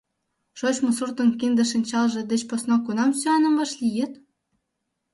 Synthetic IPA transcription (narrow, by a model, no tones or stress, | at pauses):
ʃot͡ɕmusurt̪ə̆nkind̪ə̆ʃinʲt͡ɕɑlʒĕd̪et͡ɕposnokunɑmsyɑnə̆mvɑʃlijet̪